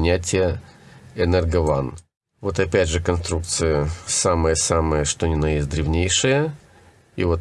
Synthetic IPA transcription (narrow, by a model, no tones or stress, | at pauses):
nʲætʲɪjə | ɛnɛrɡɐva̰n | vo̞t̪ɐpʲædʲʐɨkɐnst̪ɾuk̚t̪sɨjəsaməjəsaməjəʂt̪onʲɪnɐjed̪ɾʲɪvnʲejʂɨjə | ḭvot̪